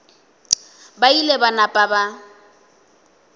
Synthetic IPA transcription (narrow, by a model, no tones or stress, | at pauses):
bailebanapʼaba